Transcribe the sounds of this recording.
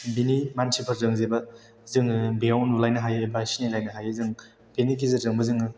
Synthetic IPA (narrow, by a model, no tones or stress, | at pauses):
binimansʰipʰɐɾzɯŋzebɐ | zɯŋɯbijawnulajnɐɦajɯbasinilajnɐɦajɯzɯŋ | benik̬izɯzɯŋbɐzɯŋɯ